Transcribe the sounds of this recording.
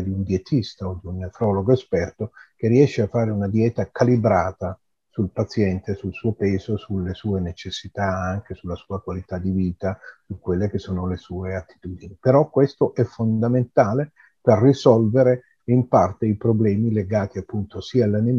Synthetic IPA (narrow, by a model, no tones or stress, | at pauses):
d̪iund̪jet̪ʰist̪aod̪iunːefɾɔloɡoespɛrt̪ok̟erːiɛʃːeafːaːɾeunad̪jɛːt̪akalibɾaːt̪a | sulpat̪sjɛnt̪esulsuːopeːzosulːesuːenet͡ʃesːit̪aaŋk̟esulːasuːakwalit̪ad̪ːiviːt̪asukːwelːek̟esːoːnolesuːeat̪ːi̥t̪uːd̪inipeɾɔkːwest̪oʔɛfond̪ament̪aːle | perːisɔlveɾe | impart̪eipɾoblɛːmileɡaːt̪iapːunt̪osiːaːlːanim